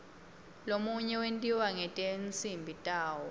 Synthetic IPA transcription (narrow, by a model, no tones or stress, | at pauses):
lomuɲɛwentʼiwaŋɛtʼent͡sʼimbʱitʼaːwɔ